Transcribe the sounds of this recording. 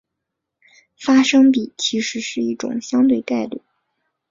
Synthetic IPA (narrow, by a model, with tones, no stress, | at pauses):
fa˥ʂɤ˥ŋpi˨˩˦t͡ɕʰi˧˥ʂɻ̩˧˥ʂɻ̩˥˧i˥˩ʈ͡ʂʊ̰˨˩ŋɕjɑ˥ŋt̪we˥˧ɪk̪a˥˧ɪly̰˥˩˦